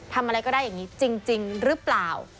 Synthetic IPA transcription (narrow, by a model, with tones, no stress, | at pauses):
t̪ʰa˧mʔa˧ɾa˧jkɔ˥˩daː˥˩ja˨˩ŋːi˦˥t͡ɕi˧ŋt͡ɕi˧ŋɾɯ˦˥plaː˨˩w